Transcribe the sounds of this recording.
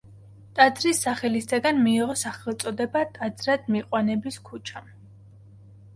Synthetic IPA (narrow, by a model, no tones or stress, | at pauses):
t̪ʼad̪zɾisːaχɛlisd̪aɡanmiːʁɔsaχɛlˠt̪sʼɔd̪ɛbat̪ʼad̪zɾad̪̥miqʼwanɛbiskʰut͡ʃʰam